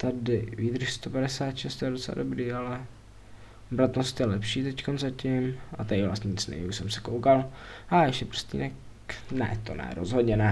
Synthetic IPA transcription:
t̪adɪviːd̪r̩ʃst̪o̞paɾɛsaːt̪ʃɛst̪ojɛdot͡sɛla̰do̞bɾiːalɛ | bɾat̪nost̪jɛlɛpʃiːt̪ɛckonzacɪmʔat̪aɪvla̰st̪ɲɪt͡snɛ̰jiuʃsɛmsɛ̥kowkalajɛʃcɛpr̩st̪ḭːnɛk | nɛ̰t̪o̞nɛ̰ɾozɦo̞d̪ɲɛnɛ

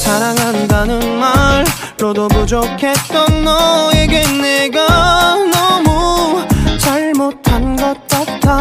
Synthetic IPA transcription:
t͡ɕaɾaŋɦandanɯnmaɾ | ɾodobod͡ʑokʰet̚t͈ʌnnʌeɡenːeɡanʌmu | t͡ɕaɭmotʰanɡʌt̚k͈at̚tʰa

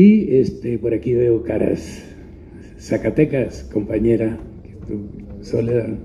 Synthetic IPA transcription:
iest̪epoɾakiβeokaɾa̰s | akat̪ekasko̞mpaɲeɾakest̪usoleðan

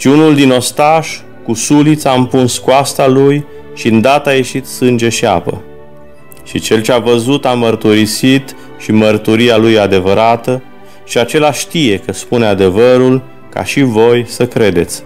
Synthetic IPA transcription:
ʃiunuld̪ino̞st̪aʃ | kusulit̪sʲaɨmpunskuast̪aluj | ʃiɨnd̪at̪aje̞ʃit̪sɨnd͡ʒe̞ʃia̰pə̰ | ʃit͡ʃe̞lt͡ʃeavəzut̪amərt̪uɾisit̪ | ʃimərt̪uɾialujad̪e̞vəɾat̪ə | ʃiat͡ʃe̞laʃt̪ije̞kəspunead̪e̞vəɾul | ka̰ʃivo̞jsəkɾe̞d̪e̞̰t̪sʲ

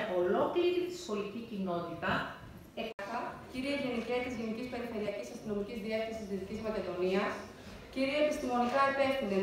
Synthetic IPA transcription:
olo̞kliiɾit̪i̥so̞licicino̞t̪it̪ɐ | ekɐxɐciɾieʝe̞niceɐt̪izʝe̞nicispe̞ɾife̞ɾiɐcisɐst̪ino̞micizðiɐθiɐsiszðiðicizmɐteðo̞niɐs | ciɾieepist̪imo̞nikɐepe̞fθind̪e

